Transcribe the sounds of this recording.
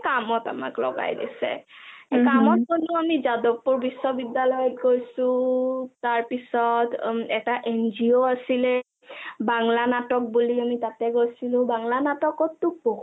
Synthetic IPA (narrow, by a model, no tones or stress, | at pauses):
kamɔta̰ma̰klɔ̰ɡa̰jdḭsɛ̰kamɔt̚konuamizadɔk̚ːuɹbisːɔbidalɔjɔt̚kojsũtaɹpisɔtɛtaʔend͡ʒioasilɛ | baŋlanatɔk̚buliamitatɛkojsilʊ̃baŋlanatɔkɔtːubo